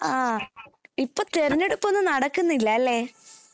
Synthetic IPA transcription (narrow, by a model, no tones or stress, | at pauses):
aː | ipːoːt̪eɾɐnːeɽupːonːɨnɐɽɐkːunːilːɐːlːeː